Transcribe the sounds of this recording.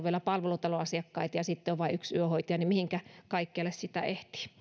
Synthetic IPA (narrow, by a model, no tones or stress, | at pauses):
ʋielæpɑlʋelut̪ɑloɑsiɑkːɑit̪jɑsit̪ːeoʋʋɑiyksyøhoit̪ɑjɑnimihiŋkækɑikːeɑlːessit̪æ̰ʔeht̪i̥